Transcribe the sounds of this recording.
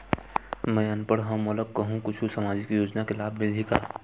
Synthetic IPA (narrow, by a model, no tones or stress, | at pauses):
mɛ̃ːənpəɽɦəmʊləɡ̚kəɦũkʊt͡ʃʰusamaːd͡ʒɪkjoːd͡ʒnakelaːbʱmɪlʱika̰